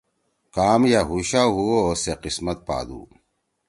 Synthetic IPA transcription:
kaːmjaɦuɕaɦuoseqismɐt̪̚pa̰ːd̪ṵː

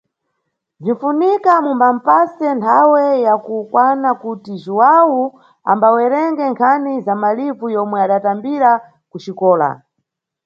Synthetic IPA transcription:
viɱfunikamumbam̩pasɛntʰawɛjakukwanakutiʒuwawu | a̰mbawɛɾɛŋɡɛŋkʰanizamalivujɔmwɛaɗatambiɾa | kuʃikɔːla̰

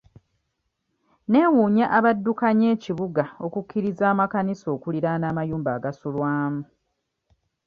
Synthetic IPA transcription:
ne̞ːwuːɲaʔaβadːukaɲe̞ːciβuɡao̞kukʰːiɾizaːmakaniso̞ːkuliɾanaːmajuːmbaːɡasulwaːmu

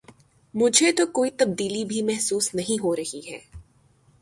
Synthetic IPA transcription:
mʊd͡ʒʱet̪okoːit̪ɐb̚d̪iːlibʱimɛɦsuːsnɐɦĩɦoɾɐɦiɦɛː

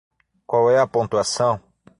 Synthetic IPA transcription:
kwawɛɐpõnt̪uasɐ̃w̃

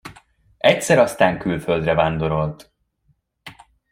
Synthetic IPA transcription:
ɛcsɛɾɒst̪aːŋkylføld̪rɛvaːnd̪o̞ɾo̞lt̪

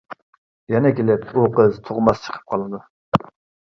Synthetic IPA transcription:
jɛnɛkʲelɪpuqəzt̪ʰoʁmɑst͡ʃʰə̥qʰə̥p̚qʰɑlˠɨd̪u

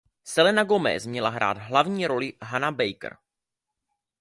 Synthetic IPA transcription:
sɛlɛnaɡomɛ̰smɲɛlaɦɾʔa̰ːt̪ɦlavɲiːɾo̞lɪɦanabɛjkr

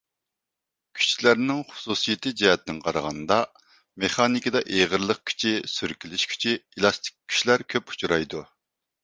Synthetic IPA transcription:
kʲʰy̥t͡ʃlæɾnɪŋχu̥susijɪt̪ʰɨd͡ʒɛhɛt̪̚nŋqʰɑɾɑʁɑ̰nd̪ɑ | meχɑnikʲid̪ɑʔeʁəɾlˠəq̚kʲʰy̥t͡ʃʰisyɾkʲilɪʃkʲʰy̥t͡ʃʰielˠɑst̪ʰɪ̥k̚ʲkʲʰːy̥ʃlæɾkʲʰøpu̥t͡ʃʰuɾɑjd̪u

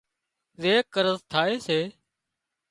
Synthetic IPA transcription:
zeːkəɾəzt̪ʰaːeːseː

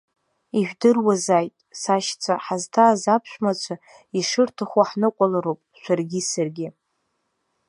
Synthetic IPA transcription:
iʒᶣdɨrwazajtʼsaʃt͡sʷʰaħaztʰaːzapʰʃᶣʷmat͡ʃʷʰa | iʂɨrtʰaχʷaħnɨqʷʼalaɾowpʼʃʷarɡʲisarɡʲɪ

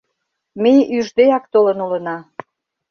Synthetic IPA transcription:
mejyʒd̪eɑkt̪olənulənɑ

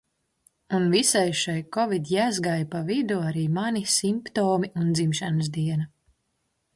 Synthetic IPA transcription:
unvisajʃajkɔvid̪ʲjæːzɡajpavid̪uaɾiːmanisimpt̪oːmiund̪zimʃans̬d̪iɛna

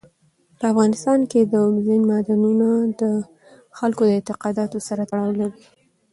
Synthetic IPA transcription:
pəafɣɑnɪst̪ɑnked̪əzɪnmɑd̪anunad̪ə | xalkod̪əɪnt̪ɪqɑd̪ɑt̪osaɾat̪aɽɑwlawi

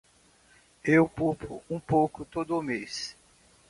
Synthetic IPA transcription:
ewpupʊ̰ũpowkʊt̪od̪ʊʊmes

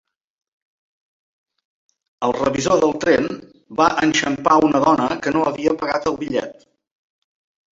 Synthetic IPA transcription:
əlˠrəβizoðəlˠt̪ɾem | baʔənʲʃəmpaunəðɔnəkənoəβiəpəɣat̪əlˠβiʎɛ̰t̪

